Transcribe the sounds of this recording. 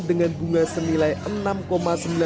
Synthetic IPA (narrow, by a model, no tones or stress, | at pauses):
dəŋanbuŋasənilajʔənamkomasəmbila